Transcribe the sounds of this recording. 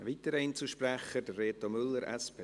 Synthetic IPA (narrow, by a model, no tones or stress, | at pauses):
viːt̪əɾint͡suʃprɛχədərːeːtomʏlːəɾʔɛ̰spʰe